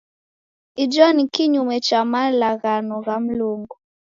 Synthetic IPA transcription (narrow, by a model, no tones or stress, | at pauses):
id͡ʒɔnikiɲumɛt͡ʃamalaɣanɔɣam̩luŋɡu